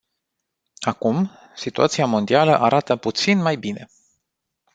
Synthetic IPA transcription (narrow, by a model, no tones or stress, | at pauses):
akum | sit̪uat̪siamo̞nd̪ialəʔaɾʔat̪əput̪sinmajbine̞̰